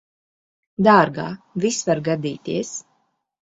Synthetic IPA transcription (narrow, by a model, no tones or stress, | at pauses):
d̪aːɾɡa̰ːvisvaɾɡad̪iːt̪iɛs